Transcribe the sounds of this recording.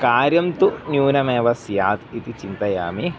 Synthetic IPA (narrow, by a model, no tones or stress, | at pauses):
kaːɾjɐmt̪unjuːnɐmeːʋɐsjaːt̪it̪it͡ʃint̪ɐja̰ːmi